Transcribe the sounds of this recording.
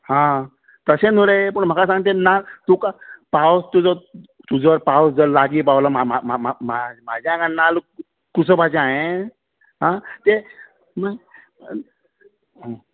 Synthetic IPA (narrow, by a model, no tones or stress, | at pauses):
hã | t̪əsẽnuɽepəɳm̤əkas̬ãŋɡt̪enalt̪ukapawst̪ud͡zɔ | t̪ud͡zʋəɾpawsd͡zəlaɡiːpaʋlamaamaamam̤ad͡ʑʱjãɡãnal | kusəbat͡ɕẽaɦe | ɦãt̪e | mə